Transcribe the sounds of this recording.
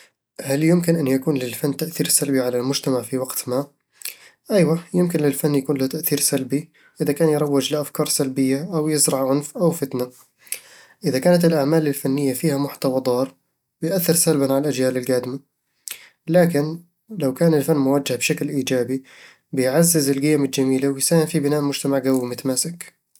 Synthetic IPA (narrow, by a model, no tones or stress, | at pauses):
haljɪmkɪnʔanjakuːnlɪlfanːt̪aʔθiːɾsalbiʕalalmʊd͡ʒt̪amaʕfiwaɡt̪ma | ʔajwajɪmkɪnlɪlfanːjakuːnlɪt̪aʔθiːɾsalbi | ʔɪðakaːnjɾˤɑwːɪd͡ʒlɪʔafkɑːɾˤsalbɪjːaʔawjɪzɾˤɑʕʕʊnfʔawfɪt̪na | ʔɪðakaːnat̪ɪlʔaʕmaːlɪlfanːɪjːafiːhamʊħt̪awɑd̪ˤɑːɾˤ | bɪjʔaθːɪɾsalbanʕalalʔad͡ʒjaːlɪlɡaːd̪ɪma | laːkɪn | lawkaːnɪlfanːmʊwad͡ʒːɪhbʃaklʔiːd͡ʒaːbi | bɪjʕazːɪzɪlɡɪjamɪld͡ʒamiːlawɪjsaːhɪmfibɪnaːʔmʊd͡ʒt̪amaʕɡawːimʊt̪amaːsɪk